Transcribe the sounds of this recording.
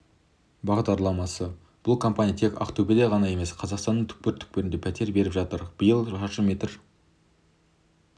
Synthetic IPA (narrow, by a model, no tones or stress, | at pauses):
bɑʁd̪ɑɾlˠɑmɑsə | b̥ʊlˠkʰompanʲijat̪ʰeka̰kt̪ubed̪eʁɑnɑje̞me̞sqʰɑzɑqst̪ɑnːəɴt̪ʰʏ̥k̚peɾt̪ʰʏ̥k̚peɾɪnd̪e̞pʰæt̪ʰe̞ɾbe̞ɾɪpʒɑt̪əɾb̥əjəlˠʒɑʃəme̞t̪ɾ